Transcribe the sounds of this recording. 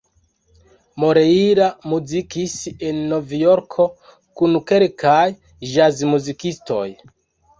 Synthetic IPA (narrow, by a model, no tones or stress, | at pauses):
mo̞ɾeiɾamuzikise̞nːo̞vjoɾkʰo̞ | kunke̞ɾkʰaj | ʒazmuzikisto̞̰j